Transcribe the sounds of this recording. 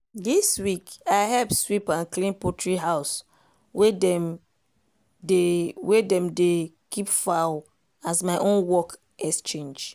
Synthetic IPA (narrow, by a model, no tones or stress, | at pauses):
diswikaɪɦɛlpswipãnklĩnpɔtʰɹiɦaʊs | wedɛm | dewedɛ̃mde | kʰipfaʊ | asmaɪʔõnwɔk | ʔɛkst͡ʃẽnd͡ʒ